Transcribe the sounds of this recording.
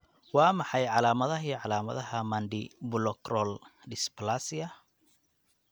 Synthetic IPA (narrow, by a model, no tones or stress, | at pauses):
wɑːmɑħɑjʕɑlaːmɐðɐɦiːʕɑlaːmɐ̰ðɐɦɐmɐnɖɪbʊlɔkrɔldɪspɐlasɪɐ